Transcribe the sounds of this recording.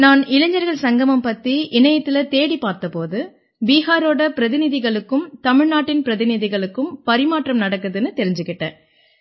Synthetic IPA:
naːnɪlɐɲd͡ʒɐɾɣɐɭsɐŋɡɐmɐmpɐt̪ːiʔɪɳɐjɐt̪ːɪlɐt̪eːɽipaːɾt̪ɐpoːðɯ | biːɦaːɾoːɽɐpɪɾɐðɪnɪðɪɣɐɭɯkːɯmt̪ɐmɪɻnaːʈːɪnpɪɾɐðɪnɪðɪɣɐɭɯkːɯmpɐɾɪmaːʈrɐmnɐɽɐkːɐðɯnːɯt̪ɛɾɪɲd͡ʒɯkːɪʈːḛ̃ː

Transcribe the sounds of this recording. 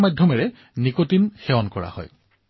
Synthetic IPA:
majdʱjɔmɛɹɛ | nikotinxɛwɔnkɔɹa̰hɔ̰j

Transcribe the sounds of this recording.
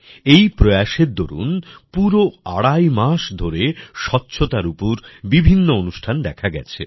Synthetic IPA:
ejpɾoaʃeɾd̪oɾṵnpuɾoa̰ɽajmaʃd̪ʱoɾeʃɔtːɕʰot̪aɾupoɾbibʱinːoonuʃʈʰand̪ɛkʰaɡɛ̰t͡ɕʰḛ

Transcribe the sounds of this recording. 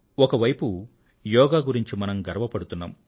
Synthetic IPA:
ɔkɐʋɐjpu | jɔːɡaːɡuɾiɲt͡ʃimɐnɐmɡɐɾɐʋɐpɐɽut̪unːa̰ːm

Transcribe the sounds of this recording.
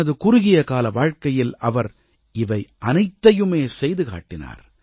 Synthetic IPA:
ɐðɯkʊɾʊɣɪjɐkaːlɐʋaːɻkɐjɪlɐʋɐɾ | ɪʋɐɪʔɐnɐɪt̪ːɐjɯmeːsɛjðɯɣa̰ːʈːɪna̰ːɾ

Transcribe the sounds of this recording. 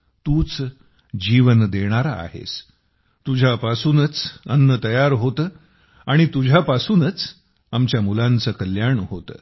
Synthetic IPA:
t̪uːt͡s | d͡ʑiʋənd̪eɽ̃aɾa̰ːɦḛs | t̪ud͡ʑʱapasuːnət͡sənːət̪əjaɾɦot̪əː | aɽ̃it̪ud͡ʑʱapasuːnət͡s | amt͡ɕjamulãnt͡səkəljaɳɦot̪ə̰ː

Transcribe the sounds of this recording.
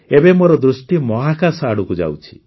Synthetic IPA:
ebemoɾɔd̪ɾusʈimɔɦakasɔːɽukud͡ʒa̰wt͡ʃʰi̥̰

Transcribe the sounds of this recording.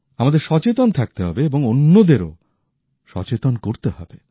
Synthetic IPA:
amad̪eɾʃɔt͡ɕet̪ont̪ʰak̚t̪eɦɔ̰beeboŋonːod̪eɾo̰ | ʃɔ̰t͡ɕet̪onkoɾt̪ehɔ̰be

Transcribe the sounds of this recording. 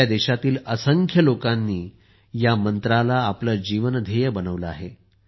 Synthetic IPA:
ad̪eɕat̪iːləsəŋkʰjəlokanːiː | jamənt̪ɾalaːpləd͡ʑiʋənd̪ʱejəbənəʋləa̰ɦe

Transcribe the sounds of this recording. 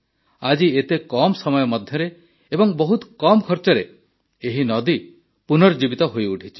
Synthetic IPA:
ad͡ʒiet̪ekɔmɔsɔmɔjɔmɔd̪ʱjɔɾe | ebɔŋbɔɦut̪kɔmɔkʰɔɾt͡ʃɔɾe | eɦinɔd̪i | punɔɾd͡ʒibit̪ɔɦojuʈʰit͡ʃʰi̥

